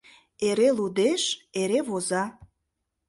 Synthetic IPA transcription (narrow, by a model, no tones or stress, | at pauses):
eɾelud̪eʃeɾeβozɑ